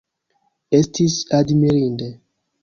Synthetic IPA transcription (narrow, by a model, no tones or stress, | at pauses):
estʰisadmiɾinde